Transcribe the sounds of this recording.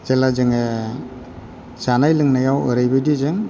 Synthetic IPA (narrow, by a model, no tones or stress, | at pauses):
zelazɯŋe | sanajlɯŋnajawɯ̰ɾajbɯdizɯŋ